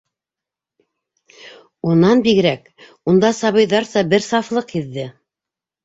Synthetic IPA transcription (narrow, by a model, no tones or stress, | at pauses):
unɑnbiɡ̆ɾæk | und̪ɑsɑβɤ̆jðɑɾsɑbɘɾsɑflˠɤqhiðːɘ